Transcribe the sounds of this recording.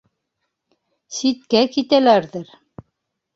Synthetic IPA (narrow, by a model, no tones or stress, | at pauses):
sit̪̚kækit̪ælæɾðɘɾ